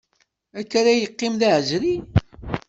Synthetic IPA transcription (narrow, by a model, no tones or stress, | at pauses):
ækːaɾæjəqːɪmðaʕʒɾi